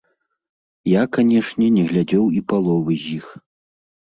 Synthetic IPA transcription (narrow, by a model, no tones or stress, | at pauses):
jakanʲɛʂnʲɛnʲɛɣlʲad͡zʲɛwipalˠɔvɨzʲjix